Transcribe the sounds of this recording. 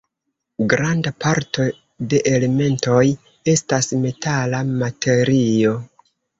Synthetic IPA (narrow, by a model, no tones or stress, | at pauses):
ɡɾandapaɾtʰo̞ | de̞ʔele̞me̞nto̞j | e̞stasme̞talamatʰe̞ɾio̞